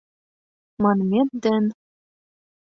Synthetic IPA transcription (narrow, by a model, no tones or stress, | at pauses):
mɑnmʲet̪̚d̪ɘn